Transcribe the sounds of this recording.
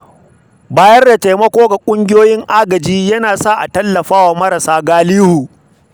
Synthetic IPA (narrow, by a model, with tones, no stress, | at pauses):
baː˦jɐ˦rda˨ta˨jmɐ˦kʷoː˦ɡa˨kʷʼʊ˦ŋɡʲɪ˦joː˦jɪ˦ŋʔaː˦ɡɐ˨d͡ʒiː˦jɐ˦naː˨sa˦ʔa˨tɐ˦lːɐ˨ɸaː˦waː˨mɐ˦ɾɐ˨saː˦ɡaː˦liː˦huː˨